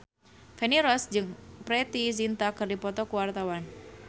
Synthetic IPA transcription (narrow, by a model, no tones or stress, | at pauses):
feniɾɔsd͡ʒɨŋpɾɛt̪izint̪akɨrdipɔt̪ɔkuwart̪awan